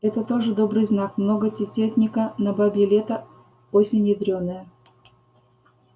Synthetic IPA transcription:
ɛt̪ət̪o̞ʐɨd̪o̞bɾɨjznakmnoɡətʲɪtʲet̪ʲnʲɪkənɐbabʲɪlʲet̪ə | osʲɪnʲːɪd̪ɾʲonːəjə

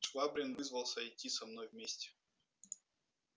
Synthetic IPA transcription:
t͡ʃvabɾʲɪnvɨzvəlˠsʲəɪtʲːisɐmnojvmʲesʲtʲɪ̥

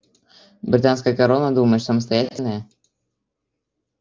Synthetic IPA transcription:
bɾʲɪt̪ans̬kəjəkɐɾo̞nːəd̪uməjɪsəməs̬t̪ɐjætʲɪlʲnəjə

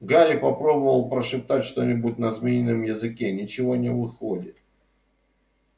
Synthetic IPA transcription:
ɡaɾʲɪpɐpɾo̞bəvəlˠpɾəʂɨp̚t̪atʲʂt̪o̞nʲɪbʊt̚ʲnɐzmʲinʲɪnəmjɪzɨkʲenʲɪt͡ɕɪvo̞nʲɪvɨxodʲɪt̪̚

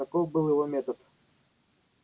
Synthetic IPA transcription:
akɔwbɨlˠjɛvɔmʲɛt̪ɔt̪

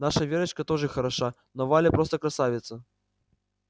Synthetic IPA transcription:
naʂɐvʲeɾɐt͡ʃkɐt̪ɔʐɨxɐɾaʂa | nɔvalʲɛpɾɔst̪ɐkɾasavʲɪt̪sːɐ

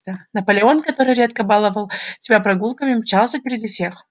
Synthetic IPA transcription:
ənɐpəlʲɪo̞nkɐt̪o̞ɾɨjɾʲe̞t̪kəbalˠəvəlˠsʲɪbʲapɾɐɡulˠkəmʲɪmt͡ɕalˠsʲəpʲɪɾʲɪdʲifsʲe̞x

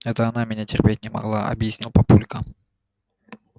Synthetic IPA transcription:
ɛt̪əɐnamʲɪnʲatʲɪrʲpʲet̚ʲnʲɪmɐ̰ɡlˠaʔɐ̰bjɪsʲnʲilˠpɐpulʲkə

